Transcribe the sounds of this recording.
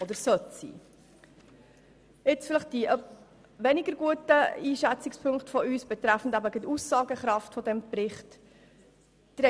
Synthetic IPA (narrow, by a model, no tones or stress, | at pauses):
ɔd̪əɾsœtsḭː | ɪt͡sfɪləχt̚d̥iʔœ | ʋɛnɪɡəɾɡuətəiːʃæt͡sɪkspʰɵŋktfɔyːsb̥ɛt̪ɾæfn̩dæbəɡɪtusːɑːɡəχɾɑftfɔdɛmprɪχt | d̥ɾɛ